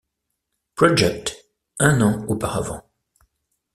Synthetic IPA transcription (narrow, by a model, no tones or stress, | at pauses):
pɹɔd͡ʒɛk̚t̪ | ɛ̃nɑ̃upaʁavɑ̰̃